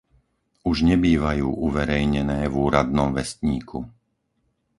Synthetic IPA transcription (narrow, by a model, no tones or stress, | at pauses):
uʒɲɛbiːʋajuːʔuʋɛɾɛjɲɛnɛːvuːɾad̪nɔmʋɛst̪ɲiːkʰṵ